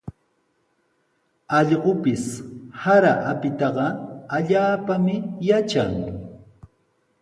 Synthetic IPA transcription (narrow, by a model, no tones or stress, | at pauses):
ɑʎɢopɪshaɾaʔapɪt̪ɑɢɑaʎaːpamɪjat͡ʃaŋ